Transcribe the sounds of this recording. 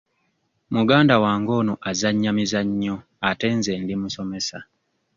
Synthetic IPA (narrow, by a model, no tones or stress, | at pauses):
muɡaːndawaːŋɡo̞ːnoʔazaɲːamizaɲːo | ate̞ːnzeːndimuso̞me̞sa